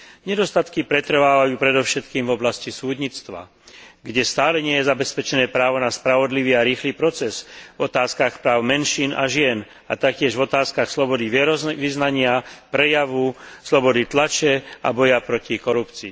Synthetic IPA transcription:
ɲɛd̪ɔst̪at̪kipɾɛt̪r̩ʋaːʋajuːpɾɛd̪ɔʊʃɛt̪kiːmvɔblascisuːd̪ɲit͡st̪ʋa̰ | ɡɟɛst̪aːlɛɲɪɛjɛzabɛspɛt͡ʃɛnɛːpɾaːʋɔnaspɾaʋɔd̪liʋiːaɾiːxliːpɾɔt͡sɛzvɔt̪aːskaxpɾaːʊmɛnʃiːnʔa̰ʒɪɛn | at̪ak̚cɪɛʒvɔt̪aːskaxslɔbɔd̪iʋɪɛɾɔʋiznaɲɪapɾɛjaʋuslɔbɔd̪it̪lat͡ʃɛa̰bɔjapɾɔcikɔɾupt͡siː

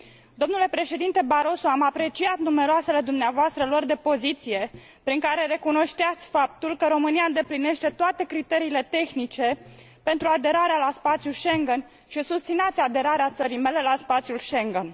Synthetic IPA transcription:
d̪o̞mnule̞pɾe̞ʃe̞d̪int̪e̞baɾo̞soamapɾe̞t͡ʃiat̪nume̞ɾoase̞le̞d̪umneavoast̪ɾəlord̪e̞po̞zit̪sije̞ | pɾiŋkaɾe̞ɾe̞kuno̞ʃt̪eat̪sʲfap̚t̪ulkəɾo̞mɨniaɨnd̪e̞pline̞ʃt̪e̞t̪oat̪ekɾit̪e̞ɾiːle̞t̪e̞xnit͡ʃe̞ | pe̞nt̪ɾuad̪e̞ɾaɾealaspat̪sijulʃe̞ŋɡen | ʃisust̪sinat̪sʲad̪e̞ɾaɾeat̪səɾijme̞le̞laspat̪sjulʃe̞ŋɡen

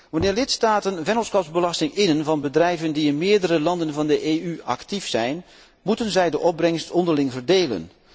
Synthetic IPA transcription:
ʋɑnɪːɹlɪtstaːtənvɛnəlˠskɔpzbəlɑstɪŋɪnənvɑnbədrɛjvəndiɪnmɪːɹdəɾəlɑndənvɑndəʔeːyɑ̰ktifsɛjn | mutənzɛjdəʔɔb̚brɛŋstɔndəɹlɪŋvəɹdeːlə̰n

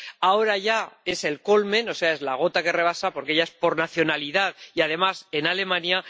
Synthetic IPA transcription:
ao̞ɾaʝae̞se̞lko̞lmẽ̞no̞se̞ae̞zlaɣ̞o̞t̪ake̞re̞β̞asapo̞ɾkeeʎae̞spo̞ɾnaθjo̞naliðaðiað̞e̞mase̞nale̞mãnja

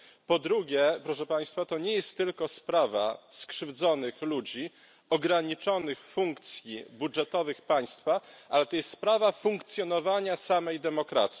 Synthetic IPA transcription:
pɔd̪ɾuɡʲjɛpɾɔʂɛpaj̃st̪fat̪ɔɲɛjɛst̪ːɘlkɔspɾava̰skʂɘvd̪zɔnɘxlud͡ʑi | ɔɡɾaɲit͡ʂɔnɘxfuŋkt̪sʲjibudʐɛt̪ɔvɘxpaj̃st̪faʔalɛt̪ɔjɛst̪spɾavafuŋkt̪sʲjɔnɔvaɲasamɛjd̪ɛmɔkɾa̰t̪sʲi

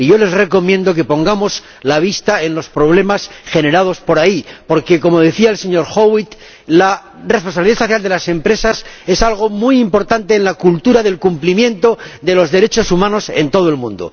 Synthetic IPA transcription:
iʝo̞le̞zre̞ko̞mjẽ̞nd̪o̞k̬e̞põ̞ŋɡamo̞z | laβ̞ist̪ae̞nlo̞spɾo̞β̞le̞masxe̞ne̞ɾað̞o̞spo̞ɾaipo̞ɾke̞ko̞mo̞ð̞e̞θiaelse̞ɲo̞ɾxowit̪ | la | respo̞nsaβliðasoθjald̪e̞lase̞mpɾe̞sase̞salɣ̞o̞mujimpo̞ɾt̪ant̪e̞ːnlakult̪uɾaðe̞lkumplimjẽ̞nt̪o̞ðe̞lo̞zðe̞ɾe̞t͡ʃo̞sumãno̞se̞̰nt̪o̞ð̞oe̞lmũnd̪o̰

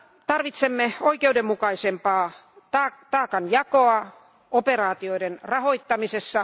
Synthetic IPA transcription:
t̪ɑrʋit̪semːeoikeudemmukɑisempɑː | t̪ɑːt̪ɑːkɑnjɑkoɑ | operɑːt̪ioidenrɑhoit̪ːɑmisesːɑ

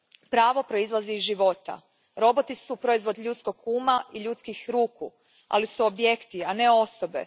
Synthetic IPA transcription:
pɾaːʋo̞pɾo̞izlˠaziːzʒiʋo̞t̪a̰ | ɾo̞bo̞t̪isupɾo̞izʋo̞d̪ʎuːt̪sko̞ɡuːmaʔiʎut̪skixɾuːku | a̰lisuobje̞kt̪iane̞o̞so̞be̞̰

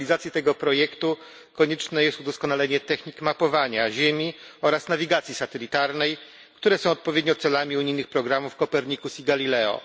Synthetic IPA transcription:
lʲizat̪sʲjɛt̪ɛɡɔpɾɔjɛkt̪u | kɔɲɛt͡ʂnɛjɛst̪ud̪ɔskɔnalɛɲɛt̪ɛxɲikmapɔvaɲaʑemʲiɔɾasnavʲiɡat̪sʲjisat̪ɛlʲit̪aɾnɛj | kt̪uɾɛsɔ̃w̃ɔt̪̚pɔvʲjed̪̚ɲɔt̪sɛlamʲiuɲijnɘxpɾɔɡɾamufkɔpɛɾɲikusiɡalʲilɛɔ̰

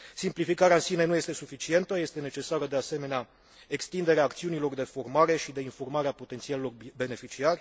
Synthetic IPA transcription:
simplifikaɾeaɨnsine̞nuje̞st̪esufit͡ʃie̞nt̪əje̞st̪e̞ne̞t͡ʃe̞saɾəd̪ease̞me̞nea | e̞kst̪ind̪e̞ɾeaːkt̪siunilo̞rd̪e̞fo̞rmaɾe̞ʃid̪e̞info̞rmaɾeapo̞t̪ent̪sialelo̞rbe̞ne̞fit͡ʃiarʲ

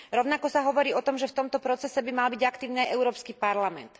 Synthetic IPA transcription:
ɾɔʊnakɔsaɦɔʋɔɾiːɔt̪ɔmʒɛft̪ɔmt̪ɔpɾɔt͡sɛsɛbimalbiɟakt̪iːʊniajʔɛʊɾɔːpskiːpaɾlamɛ̰nt̪

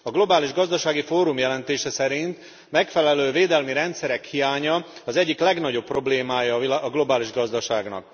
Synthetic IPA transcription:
ɒɡlo̞baːliʒɡɒzd̪ɒʃaːɡifoːɾumjɛlɛnt̪eːʃɛsɛɾint̪ | mɛkfɛlɛløːveːd̪ɛlmiɾɛnt̪sɛɾɛkhijaːɲɒɒzɛɟːiklɛɡnɒɟo̞pːro̞bleːmaːjɒɒɡlo̞baːliʒɡɒzd̪ɒʃaːɡnɒ̰k

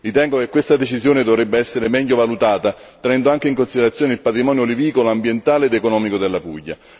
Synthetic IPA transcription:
ɾit̪ɛŋɡokekwest̪ad̪et͡ʃizjoːned̪ovɾebːeɛsːeɾemɛʎːovalut̪aːt̪a | t̪enɛnd̪oaŋk̟eiŋkonsid̪eɾat̪sjoːneilpat̪ɾimɔːnjoliviːkoloambjent̪aːleːd̪ekonɔːmikod̪elːapṵʎːa̰

